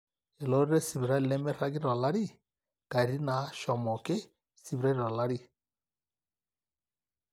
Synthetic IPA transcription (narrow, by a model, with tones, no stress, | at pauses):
ɛ˨lɔ˨˦ɾɾɛ˦si˨βɾa˦˨lɛ˦mɛ˦ɾa˦ɡɪ˦ɾɔ˨la˦ɾi˦ | ka˨ɾi˦na˨˦ʃɔ˨mɔ˨kɪ˦ | si˨bɾa˦ɾi˨ɾɔ˨la˦ɾi˦